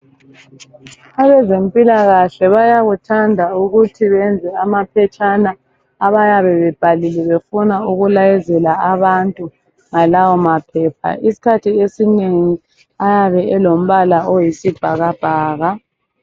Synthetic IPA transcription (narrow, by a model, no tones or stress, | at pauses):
aβɛzempʼilaɣaɬɛβajaɣutʰandʱauɣutʰiβɛnd͡zʱɛamapʰɛt͡ʃʼanaː | βajaβɛβɛb̥ʱalilɛβefunauɣulajɛzɛlaaβantʼu | ŋalawɔmapʰɛp̚ʰa̰ʔisi̥kʰatʰiesineŋi | ajaβɛɛlom̩βalaojisib̥ʱaɣab̥ʱaːɣa